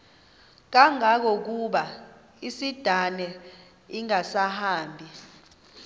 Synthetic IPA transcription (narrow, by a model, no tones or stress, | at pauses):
k̬aŋak̬ɔk̬uɓa | isid̥ʱanɛ | iŋasahaːmbʱi